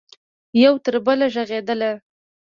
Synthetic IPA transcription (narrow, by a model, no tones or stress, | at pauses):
jawt̪əɾbəlaʒaɣed̪əla